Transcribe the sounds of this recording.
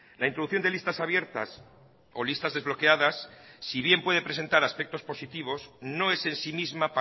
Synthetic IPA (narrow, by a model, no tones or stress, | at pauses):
laint̪ɾo̞ðuθjond̪elist̪asaβje̞ɾt̪a̰s | o̞list̪azðe̞zβlo̞ke̞aðasːiβ̞je̞mpwe̞ð̞e̞pɾe̞se̞nt̪aɾaspe̞k̚t̪o̞spo̞sit̪iβ̞o̞zno̞ese̞nsimizmap